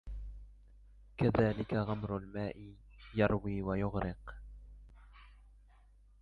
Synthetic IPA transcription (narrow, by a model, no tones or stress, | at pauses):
kaðaːlɪkaɣamɾʊlmaːʔɪ | jɑɾˤwiːwajʊɣɾɪq